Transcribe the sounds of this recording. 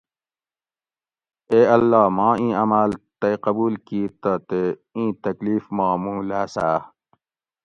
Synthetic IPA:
eːɐlːaːmãːĩːɐmaːlt̪eqɐbuːlkiːt̪ət̪eĩːt̪ɐkliːfmaːmuːlasaː

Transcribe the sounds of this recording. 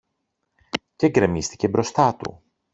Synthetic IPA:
ceɡɾe̞mist̪i̥ce̞bɾo̞st̪ɐt̪ṵ

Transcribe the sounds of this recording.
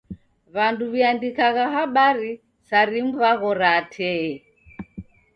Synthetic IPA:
βanduβiandikaɣaɦaɓaɾi | saɾim̩βaɣɔɾatʰɛɛ

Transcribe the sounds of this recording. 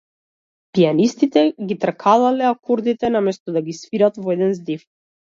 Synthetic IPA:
pianist̪it̪ɛɡit̪r̩kʰalˠalɛakoɾd̪it̪ɛnamɛst̪ɔd̪aɡisfiɾat̪vɔɛd̪ɛnzd̪if

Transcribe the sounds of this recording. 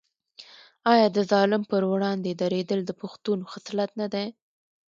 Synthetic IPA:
ɑjɑd̪əzɑlɪmpəɾwɽɑnd̪ed̪aɾed̪əld̪əpʊxt̪unoxaslat̪nad̪aj

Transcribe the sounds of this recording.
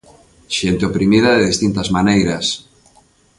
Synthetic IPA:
ʃent̪eopɾimiðɐðeðist̪int̪azmanejɾɐs

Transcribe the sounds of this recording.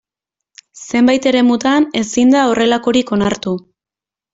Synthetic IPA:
se̞mbajt̪e̞ɾe̞mut̪ane̞sind̪ao̞re̞lako̞ɾiko̞naɾt̪u

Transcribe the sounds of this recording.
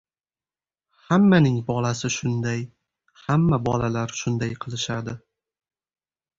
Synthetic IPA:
hamːanɪŋbɒlasɪʃʊnd̪aj | hamːabɒlalaɾʃʊnd̪ajqʰɨlˠɪʃad̪ɪ

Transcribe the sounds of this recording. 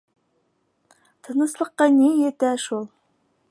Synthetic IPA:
t̪ʰɤnɤ̆slˠəqːɑnejet̪æʃulˠ

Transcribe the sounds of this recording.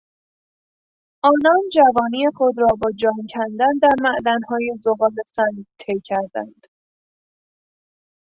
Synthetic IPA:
ʔɒːnɒːnd͡ʒævɒːniːje̞xod̪ɾɒːbɒːd͡ʒɒːmcʰænd̪ænd̪æɾmæʔd̪ænhɒːje̞zoɣɒːle̞sænt̪ʰejcʰæɾd̪æ̰nd̪̥

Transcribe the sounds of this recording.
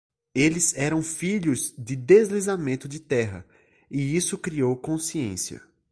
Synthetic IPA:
elɪzɛɾɐ̃w̃fiʎʊzd͡ʒɪd̪ezlizamẽnt̪ʊd͡ʒɪt̪ɛɦɐ̰ | ɪisʊkɾiowkõsiḛ̃siɐ̰

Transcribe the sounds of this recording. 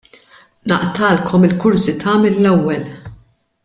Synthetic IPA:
nɐ̰ʔt̪ɐːlkʰɔmɪlkʊɾsit̪ɐːmɛlːɛwːɛl

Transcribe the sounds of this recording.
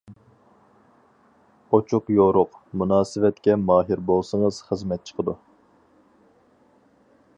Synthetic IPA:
ot͡ʃʰuqjoɾʊqmunɑːsɨvɛt̪kʲɛmɑːɦiɾbolˠsəŋəz̥χəzmɛt̪̚t͡ʃʰə̥qəd̪u

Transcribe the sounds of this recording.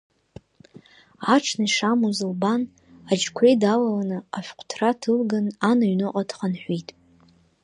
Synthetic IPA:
aʈ͡ʂʰnaiʂamuzɨlban | ad͡ʒkʷʰejdalalanɨaħʷᶣqʷʰtʰratʰɨlɡananaɥnɨqʼadʰχanħʷitʼ

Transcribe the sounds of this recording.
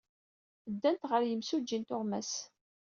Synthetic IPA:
əd̪ːænt̪ʁəɾjəmsud͡ʒːint̪ʊʁmæs

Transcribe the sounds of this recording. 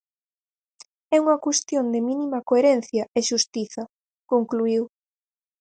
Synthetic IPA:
ɛuŋɐkwest̪jond̪eminimɐkoeɾɛnθjɐeʃust̪iθɐ | koŋkluiw

